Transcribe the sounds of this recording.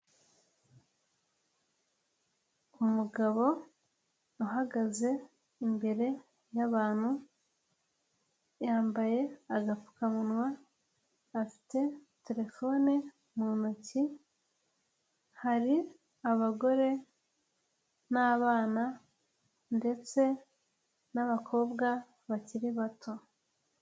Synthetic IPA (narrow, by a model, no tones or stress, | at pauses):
umuɡaβo̞ | uɦaɡaze̞ | imbe̞ɾe̞ | jaβaːn̥hu | jaːmbaje̞aɡafu̥kamunwaː | fi̥te̞ | te̞ɾe̞fo̞ne | munoci | haɾi | aβaɡo̞ɾe̞ | naːβaːna | nde̞t͡se̞ | naβakʰo̞ːβɡa | βaciɾiβatʰo̞